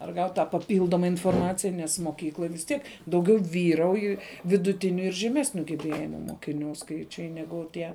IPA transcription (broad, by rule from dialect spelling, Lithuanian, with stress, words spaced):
ɐr ˈɡɐʊtʲ tɑː pɐˈpʲiːlˠdoːmɐ ɪnfoːrˈmɑːt͡sʲɪjɛ nʲɛs moːˈkʲiːklˠoːj ʋʲɪs ˈtʲiɛk dɐʊˈɡʲɛʊ ˈʋʲiːrɐʊj ʋʲɪdʊˈtʲɪnʲʊ ɪr ʒʲɛˈmʲæːsʲnʲʊ ɡʲɛˈbʲeːjɪmʊ moːkʲɪˈnʲuː ˈskɐɪt͡ʃʲɛɪ ˈnʲæːɡʊ ˈtʲiɛ